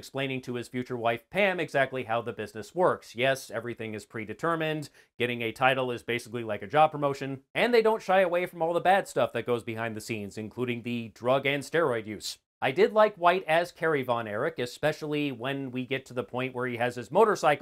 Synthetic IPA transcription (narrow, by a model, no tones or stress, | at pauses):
ɨksplẽɪ̃nɪ̃ŋtʰɨɨz̥fjʉt͡ʃə˞waɪfpʰæ̃mɨɡzæk̚tˡliɦaʊðɨbɪznɨswɜ˞ksjɛsɛvɹiθɪ̃ŋɨz̥pʰɹ̥idɨtʰɜ˞mɨ̃n | ɡ̥ɛɾɪ̃ŋɨtʰaɪɾl̩ˠɪzbeɪsɨklilaɪkɨd͡ʒɑb̚pɹ̥əmoʊʃɨ̃nɨ̃nðeɪɾõʊ̃ntʃaɪəweɪfɹʌ̃mɔlˠðəbæd̥stʌfðɨt̚ɡ̥oʊzbɨɦãɪ̃nðɨsĩnzɨ̃nkʰl̥uɾɪ̃ŋðɨdɹʌɡɨ̃nstɛɹɔɪdjʉs | ʔaɪdɪdˡlaɪkwaɪɾɨz̥kʰɛɹivɑ̃nɛɹɪkɨspɛʃl̩ˠiwə̃nwiɡɛtʰɨðəpʰɔ̃ɪ̃nʔwʔə˞iɨz̥ɨzmoʊɾə˞saɪk